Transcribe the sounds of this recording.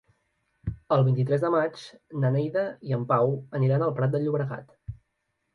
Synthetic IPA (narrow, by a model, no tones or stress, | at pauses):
əlˠβint̪it̪ɾɛzðəmat͡ʃnənɛjðəiəmpawəniɾanəlˠpɾat̪̚d̪əʎːuβɾəɣa̰t̪